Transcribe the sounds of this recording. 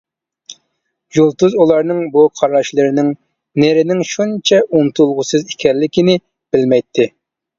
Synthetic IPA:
julˠt̪uzulˠɑɾnɨŋbuqʰɑɾɑʃlˠɨɾɪnɪŋ | neɾɪnɪŋʃunt͡ʃʰɛʔunt̪ʰulˠʁʊsɨzikʲʰɛlːɪkʲinɪ | b̥ɪlmɛjt̪ʰːɪ

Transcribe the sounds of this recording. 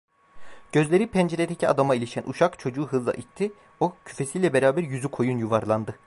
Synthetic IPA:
ɟ̥ø̞zlʲe̞ɾipʰɛnd͡ʒe̞ɾed̪ecʰia̰d̪amailʲiʃænʔṵʃakt͡ʃʰo̞d͡ʒuːɦɯzlˠa̰ʔit̪ʰːi | o̞cʰy̥fe̞siːlʲɛbe̞ɾaːbæɾjyzykʰo̞junjuvaɾlˠand̪ɯ

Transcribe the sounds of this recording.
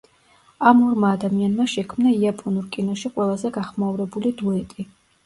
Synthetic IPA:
amɔɾmaːd̪amianmaʃɛkʰmnaiapʼɔnuɾkʼinɔʃiqʼwɛlˠazɛɡaχmauɾɛbulid̪uɛt̪ʼi

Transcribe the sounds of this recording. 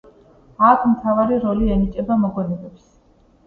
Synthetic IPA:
at̪ʰmt̪ʰavaɾiɾɔliɛnit͡ʃʼɛbamɔɡwɛnɛbɛps

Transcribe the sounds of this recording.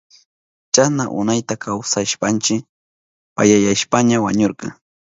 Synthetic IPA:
t͡ʃanaʔʊ̰najt̪akʰawsaʃpant͡ʃɪ | pajajaʃpaɲawaɲoɾqɑ̰

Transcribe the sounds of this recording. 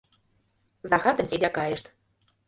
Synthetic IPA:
zɑxɑt̪ə̆nfʲedʲɑkɑjĕʃt̪

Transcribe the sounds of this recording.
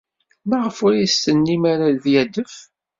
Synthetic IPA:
mæʁəfʊɾjəst̪ənːimaɾaðjæd̪əf

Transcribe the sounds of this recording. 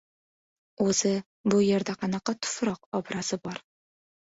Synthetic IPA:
ʉzɘ | bujĕɾd̪æqɑnɑqːɑt̪ʊ̥fɾɒqɒbɾɑsɤbɒɾ

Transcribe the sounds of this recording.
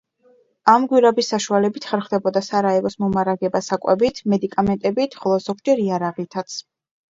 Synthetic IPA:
amɡwiɾabisːaʃualɛbit̪ʰχɛɾχwvd̪ɛbɔd̪asaɾaɛlɔsmɔmaɾaɡɛbasakʼwɛ̰bit̪ʰmɛd̪ikʼamɛnt̪ʼɛbit̪ʰχɔlˠɔz̥ɔɡd͡ʒɛɾiaɾaʁit̪ʰat̪sʰ

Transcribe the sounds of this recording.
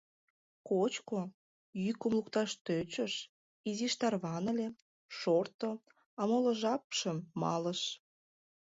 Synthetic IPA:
kot͡ɕko | jykumlukt̪ɑʃt̪øt͡ɕəʃ | iziʃt̪ɑrβɑnəle | ʃort̪o | ɑmolə̆ʒɑpʃəmːɑ̰ləʃ

